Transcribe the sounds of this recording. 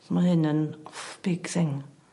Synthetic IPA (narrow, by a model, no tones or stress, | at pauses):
mahɨnənɔfb̥ɪɡ̥θɪŋ